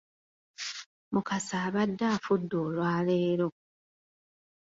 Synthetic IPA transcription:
mukasaːβadːaːfudːoːlwaːleːɾo̞

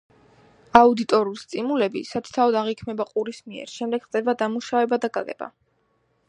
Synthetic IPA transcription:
aud̪it̪ʼɔɾiulst̪ʼimulɛbḭsat̪ʰt̪ʰavɔd̪aʁikʰmɛbaqʼuɾismiɛ̰ɾʃɛmd̪ɛɡ̥χt̪ʼɛbad̪amuʃavɛbad̪akʼalɛ̰b̥a̰

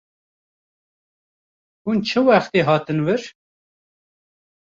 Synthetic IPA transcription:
hunt͡ʃʰɨwæxt̪iːɦɑːt̪ɨnvɨɾ

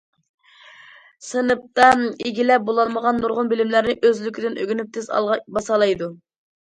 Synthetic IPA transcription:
sɨnɨp̚t̪ɑeɡʲilɛp̚bolˠɑlˠməʁɑnːuɾʁʊnbɪlɪmlæɾnɪʔøzlykʲʰid̪ɪnʔøɡʲynyp̚t̪ʰez̰ˠʁbɑsɑlˠɑjd̪u

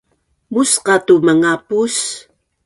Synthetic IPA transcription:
musqɑtuməŋapus

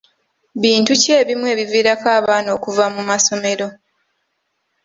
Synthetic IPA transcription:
βiːntuce̞ːβimwe̞ːβiviːɾakaːβaːno̞kuvamumaso̞me̞ɾo̞

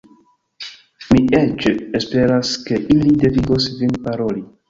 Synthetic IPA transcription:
miʔet͡ʃespe̞ɾaske̞ʔilide̞viɡosvinpaɾoli

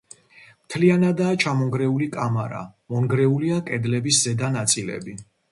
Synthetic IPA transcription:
mt̪ʰlianad̪aːt͡ʃʰamɔŋɡɾɛulikʼamaɾa̰mɔŋɡɾɛuliakʼɛd̪lɛbiszɛd̪anat̪sʼilɛ̰bi

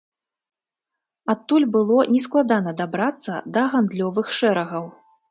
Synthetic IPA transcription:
at̪ːulʲbɨlˠɔnʲɛsklˠad̪anɐd̪abɾat̪sːɐ̰d̪ɐɣand̪lʲɔvɨxʂɛɾɐɣɐw

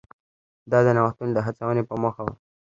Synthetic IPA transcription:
d̪ɑd̪ənawaxt̪und̪əɦat͡sawənepəmoxaw̰

